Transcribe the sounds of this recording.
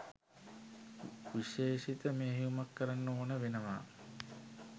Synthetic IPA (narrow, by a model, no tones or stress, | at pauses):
ʋiʃeːʃit̪əmeːɦijumakːəɾanːooːnəʋenəʋa̰ː